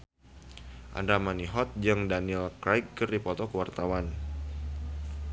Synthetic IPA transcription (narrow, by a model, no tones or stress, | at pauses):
ʔa̰ndamaniɦɔt̪̚d͡ʒɨŋdanilkɾajkːɨrdipɔt̪ɔkəwart̪awan